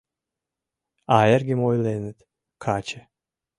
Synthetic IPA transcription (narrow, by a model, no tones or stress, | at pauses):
aːjɛɾɡʲimojlˠeːnɪt̪ | kʰaːt͡ʃʰɛ